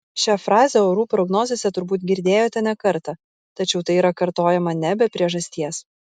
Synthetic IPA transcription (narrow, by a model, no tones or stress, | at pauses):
ʃʲæfɾɑːzʲɛoːɾuːpɾɔɡnoːzʲesʲɛt̪ʊɾbuːt̪ɡʲɪɾʲd̪ʲeːjoːt̪ʲɛnʲɛkɐɾt̪ɐ | t̪ɐt͡ʃʲɛʊt̪ɐɪiɾɐkɐɾt̪oːjɛmɐnʲɛbʲɛpʲɾʲiɛʒɐsʲt̪ʲiɛs